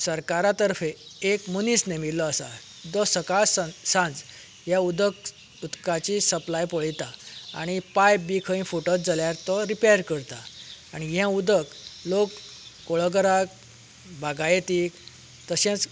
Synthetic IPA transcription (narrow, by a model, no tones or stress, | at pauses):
səɾkaɾat̪əɾfeekmənisnemillɔasa̰ | d̪ɔsəkassãnd͡z | ɦjaud̪ək | ut̪kat͡ɕisəplajpɔɭit̪aa̰ɽ̃ipajbikʰəĩfoʈət̪̚d͡zaljaɾt̪ɔɾipejəɾkəɾt̪aːɽ̃iɦjãud̪əklokː | oɭəɡɾak | bʱaɡajet̪ik | t̪əɕɛ̃t͡s